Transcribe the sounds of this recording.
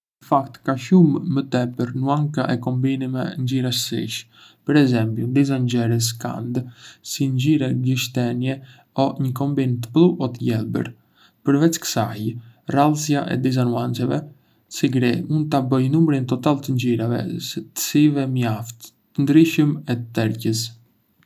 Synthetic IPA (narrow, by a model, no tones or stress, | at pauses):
nəfakt̪kaʃumːət̪ɛpəɾnuaŋkaʔɛkɔmbinimɛ̰nd͡ʒiɾaʃsḭʃ | pəɾɛzɛmpjund̪izaɲd͡ʒɛɾəs̬ka̰nd̪siɲd͡ʑiɾɛɡiʃt̪ɛnjɛ | ɔɲəkɔmbint̪ə̥plˠuʔɔt̪əjɛlˠbə̰ɾ | pəɾvɛt͡skə̥sajralˠsjaʔɛ̰d̪iz̬anuant͡sɛvɛ | siɡɾimund̪̚t̪abəjnumɾint̪ɔt̪alt̪əɲɟiɾavɛ̰sət̪ə̥sivɛmjaft̪ː | ənd̪ɾiʃəmɛt̪ɛɾcəs